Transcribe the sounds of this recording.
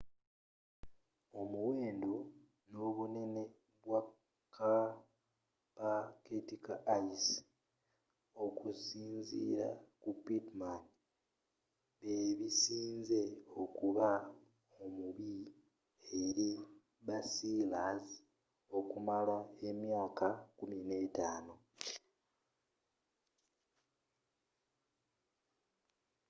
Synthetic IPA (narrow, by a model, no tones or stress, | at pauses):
o̞muwe̞ːndo | no̞βune̞ne̞ | βwa | kʰːa | paketikaajisi̥ | o̞kusiːnzḭːɾa̰kupitman | βeβisiːnze̞o̞kuβa | omuβi | eɾi | βasilazi | o̞kumalwaemjaːkakumine̞taːno